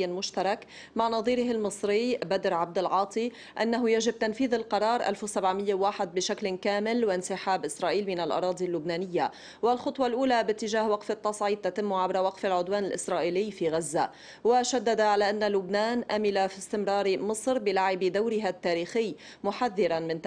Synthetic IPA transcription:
almʊʃt̪ɑɾˤɑk | maʕnɑðˤiːɾɪɦalmɨsˤɾɪjːbad̪ɾʕab̚d̪ɪlʕɑːt̪ˤi | ʔa̰nːaɦʊjaʒɪb̚t̪anfiːðalqɑɾˤɑːɾˤʔa̰lfsabʕmɪjːawaːħɪd̪̚bɪʃaklkaːmɪlwɪnsɪħaːbʔɪsɾˤɑːʔiːlmɪnalʔɑ̰ɾˤɑːd̪ˤilːʊbnaːnɪjːa | walxʊt̪ˤwɑlʔuːlabɪt̪ːɪʒaːhwaqfɪt̪ːɑsˤʕiːd̪̚t̪at̪ɪmːʕabɾawaqfalʕʊd̪waːnɪlʔɪsɾˤɑːʔiːlɪjːfiːɣazːa | waʃad̪ːad̪aʕalaːʔanːalʊbnaːnʔamɪlafist̪ɪmɾˤɑːɾmɨsˤɾbɪlaʕɪbd̪awɾɪɦat̪ːaːɾiːxɪjː | mʊħaðːɪɾanmɪnt̪

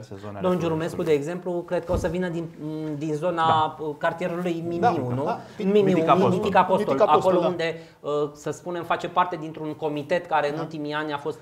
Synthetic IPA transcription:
d̪omd͡ʒuɾume̞skud̪e̞ːɡze̞mplukɾe̞d̪̚kəo̞səvinəd̪ind̪inzo̞naəkart̪ijeɾulujmimiunumimiuinifikapost̪olako̞lo̞und̪e̞ | əsəspune̞mfat͡ʃepart̪e̞d̪int̪ɾuŋko̞mit̪e̞t̪kaɾe̞ɨnult̪imianʲafo̞st̪

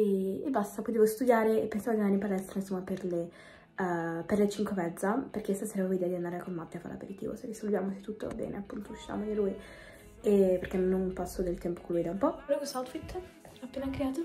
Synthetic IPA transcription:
eḛbːast̪apɔjd̪ɛvost̪ud̪jaːɾeepːensaːvod̪inanːimpalɛst̪ɾainsomːaperle | perlet͡ʃiŋkwemɛd̪zːaperk̟est̪asɛɾvavoid̪ɛad̪iand̪aɾekommap̪ːjafa̰lea̰pḛɾit̪ḭːvo̰serisolvjamose̥t̪ːut̪ːo̰a̰bɛ̰ːnḛapːunt̪ouʃːa̰moneluːj | epːeɾkenonpasːod̪elt̪ɛmpokelːujd̪aumpɔɾɔkosawt̪fit̪ː | apːeːnakɾeaːt̪o

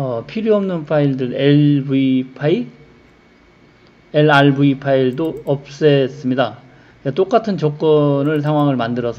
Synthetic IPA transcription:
ʌpʰiɾjoʌmnɯnpʰaiɭdɯɾeɭbuipʰai | eɭaɭbuipʰaiɭdoʌp̚s͈es͈ɯmɲida | et͈ok͈atʰɯnt͡ɕʌk͈̚ʌnɯɭs̬ʰaŋɦwaŋɯɭmandɯɾʌsʰ

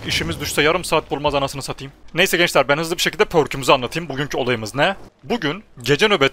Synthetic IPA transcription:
iʃimizd̪yʃsajaɾɯmsaːt̪̚bulˠmazanasɯnɯsat̪ʰɯjɯmnejsɛɟɛnt͡ʃlʲæɾbænhɯzlˠɯbiʃecʰilʲd̪ɛpʰøɾcʰymyzanlˠat̪ʰɯjɯmbuɟyncʰyo̞lˠajɯmɯznɛbuɟynɟe̞d͡ʒɛnøbɛt̪

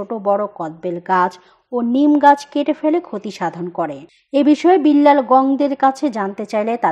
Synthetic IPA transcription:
oʈobɔɽokɔd̪̚belɡad͡ʑ | onimɡad͡ʑkeʈefelekʰot̪iʃad̪ʱonkoɾe | ebiʃɔebilːalɡɔŋd̪eɾkat͡ɕʰed͡ʑant̪et͡ɕajlet̪a

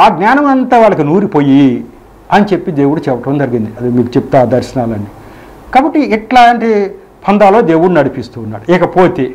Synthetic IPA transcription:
aːɡnaːnɐmɐnt̪aːʋaːɭːɐkinuːɾipoːji | ɐnit͡ʃepːid̪e̞ːwuɽut͡ʃɛːpːɐʈɐmnd͡ʒɐɾiɡind̪iɐd̪emiːkut͡ʃeput̪aːd̪ɐɾʃɐnaːlɐnːi | kaːbɐʈːiiʈlaːɐɳʈe | pʰɐnd̪aːlo̞ːd̪e̞ːwuɽunɐɽipist̪uːnːa̰ːɽuikɐpoːt̪eː

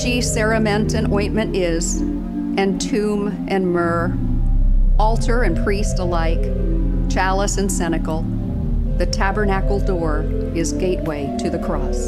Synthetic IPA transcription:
ʃisɛɹɨmɛ̃ntɨ̃nɔ̃ɪ̃nmɨ̃nɪz̥ | ɨ̃ntʰʉ̃m | ʔɨ̃nmɜ˞ | ɔlˠtʰə˞ɨ̃npʰɹ̥istəlaɪk | t͡ʃʰælˠəsɨ̃nsɛñɨkl̩ˠ | ðɨtʰæbə˞nækl̩ˠdɔɹ | ɪzɡeɪʔ̚weɪɾɨðɨkʰɹ̥ɔs

